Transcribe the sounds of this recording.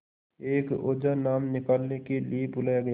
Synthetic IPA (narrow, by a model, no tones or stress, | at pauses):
eːko̰ːd͡ʒanaːmnɪkaːlnekeliebʊlaːjaɡɐja